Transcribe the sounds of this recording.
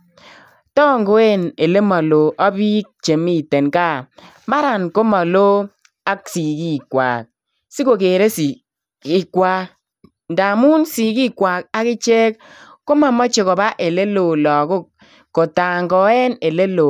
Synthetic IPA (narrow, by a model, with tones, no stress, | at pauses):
tɔ˦ŋɡo˦e˦ne˨le˦mɔ˨lo˨ʔɔ˦bi˦k̚t͡ʃe˨mi˦te˨nka˦˨ | ma˦ɾa˨nko˦mɔ˨lo˦ | a˦ksi˨ki˦˨kwa̰ː˨k̚ | si˦ko˨keː˨ɾe˦si˨ | i˨kwa˦ | n˨da˨mu˦nsi˨ki˦kwa˨k̚a˦kɪ˦t͡ʃe˦k | ko˦ma˨mɔ˦t͡ʃe˨kɔ˨ba˦ʔe˨le˦lo˨lɔ˨kʊ˦˨k̚ː | o˨ta˨ŋɡɔ˨˦ɛ˦ne˨le˦lo˨